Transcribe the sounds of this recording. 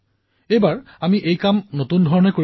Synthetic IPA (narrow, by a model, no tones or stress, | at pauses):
ejbaɹ | amiʔejkamnotundʱɔɹɔnɛko